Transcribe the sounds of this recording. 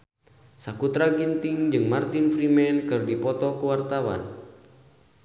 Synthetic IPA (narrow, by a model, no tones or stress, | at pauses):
sakut̪ɾaɡint̪ɪŋd͡ʒɨŋmart̪infɾimɛnkɨrdipɔt̪ɔkuwart̪awa̰n